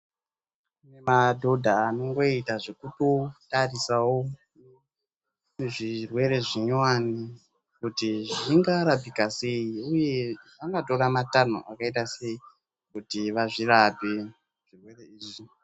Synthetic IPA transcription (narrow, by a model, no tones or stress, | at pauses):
nemadʱo̞dʱaːno̞ŋɡo̞itaʐekuto̞tarisawo | ʐirwe̞ɾe̞ʐiɲwani | kutiʐiŋɡaɾapikase̞iuje̞ | aŋɡato̞ɾamatan̤ṵʔa̰kaitase̞i | kutiʋaʐirape | ʐ̥irwe̞re̞iːʐi